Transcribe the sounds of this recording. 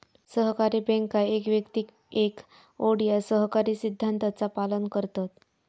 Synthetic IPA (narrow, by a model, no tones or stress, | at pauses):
səɦkaɾiːbɛ̃ŋkaekʋjəkt̪ik | ek | oɽijasəɦkaɾiːsid̪ʱːant̪at͡sapalənkəɾt̪at̪̚